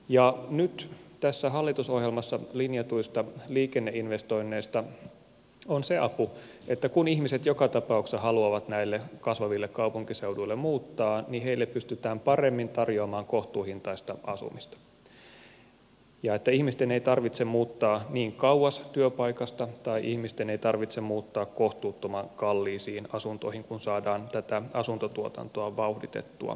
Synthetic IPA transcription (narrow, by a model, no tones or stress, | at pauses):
jɑnyt̪t̪æsːæɦɑlːit̪usohjelmɑsːɑlinjɑt̪uist̪ɑliːkenːeʔinʋest̪o̞inːeːst̪ɑ | onseɑpu | et̪ːækunihmiset̪jokɑt̪ɑpɑuksɑhɑluɑʋɑt̪næilːekɑsʋɑʋilːekkɑupuŋkiseuduilːemmuːt̪ːɑːniheilːeppyst̪yt̪æːmpɑremːint̪ɑrjoɑmɑːŋkoht̪uːhint̪ɑist̪ɑʔɑ̰sṵmist̪ɑ̥ | jɑet̪ːæihmist̪eneit̪ɑrʋit̪semmuːt̪ːɑːniːŋkɑwwɑst̪yøpɑikɑst̪ɑt̪ɑiʔihmist̪eneit̪ɑrʋit̪semmuːt̪ːɑːkkoht̪uːt̪ːomɑŋkɑlːiːsiːnɑsunt̪o̰ihiŋkunsɑːdɑːnt̪æt̪æɑsunt̪ot̪uot̪ɑ̰nt̪oɑʋɑuhdit̪ḛt̪ːuɑ̰